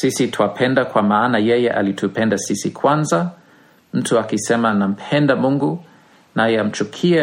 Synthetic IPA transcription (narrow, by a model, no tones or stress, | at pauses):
sisitʰwapʰɛndakwamaːnajɛjɛʔa̰litʰupɛndasisikʰwanza | m̩tuakisɛmanam̩pʰɛndamuŋɡu | najɛam̩t͡ʃukʰiɛ